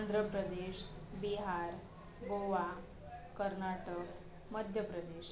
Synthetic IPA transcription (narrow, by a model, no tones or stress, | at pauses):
nd̪ʱɾəpɾəd̪eɕ | biɦaɾ | boʋa | kəɾnaʈək | məd̪ʱjəpɾəd̪eɕ